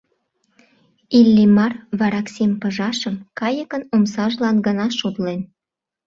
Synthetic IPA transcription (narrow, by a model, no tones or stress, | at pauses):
ilːimɑrβɑɾɑksempə̆ʒɑʃəmkɑjəkənomsɑʒlɑnɡənɑʃod̪len